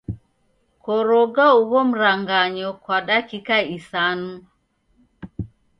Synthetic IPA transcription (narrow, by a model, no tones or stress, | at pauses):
kɔɾɔɡauβɔm̩ɾaŋɡaɲɔkwaɗakikaisanu